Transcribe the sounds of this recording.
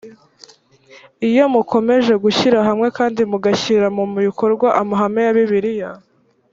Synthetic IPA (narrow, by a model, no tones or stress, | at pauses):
ijo̞mukʰo̞me̞ʒe̞ɡuçiɾaɦamŋe̞kaːndimuɡaçiɾamumuβikʰo̞ɾɡwaʔamaɦamejaβiβiɾija